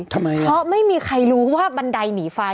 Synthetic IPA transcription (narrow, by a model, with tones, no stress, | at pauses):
t̪ʰa˧mːa˧jpʰɾɔ˦˥ma˥˩jmiː˧kʰa˧jɾuː˦˥waː˥˩ba˧nda˧jniː˩˦fa˧